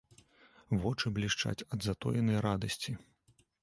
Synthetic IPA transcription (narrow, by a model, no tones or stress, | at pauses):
vɔt͡ʂɨblʲiʂt͡ʂa̰t͡sʲɐd̪zat̪ɔ̰jɛnɐjɾad̪ɐsʲt͡sʲi